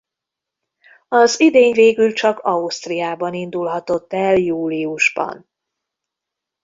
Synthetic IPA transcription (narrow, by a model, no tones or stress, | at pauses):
ɒzid̪eːɲveːɡylt͡ʃɒkɒust̪rijaːbɒnind̪ulɦɒt̪o̞t̪ːɛljuːliuʒbɒ̰n